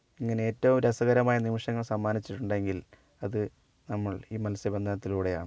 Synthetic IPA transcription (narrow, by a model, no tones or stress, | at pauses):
iŋːɐne̞eːtːɐʋumɾesɐɣɐɾɐmaːjɐnimiʂɐŋːɐɭsɐmːaːnit͡ɕːiʈːuɳɖe̞ŋɡil | ɐðɨ | nɐmːɐɭiːmɐlɐsjɐbe̞nd̪ʱɐnɐt̪ːiluːɽe̞ja̰ːɳɨ